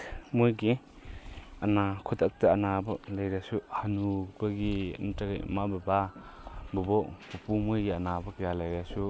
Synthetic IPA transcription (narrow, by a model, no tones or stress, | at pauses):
mojɡi | ɐnakʰutɐk̚tɐɐnabɐlajɾasuhanub̥ɐɡḭntɐɡa̰mabɐba | bubɔpupumojɡiɐnabɐkjalajɾasu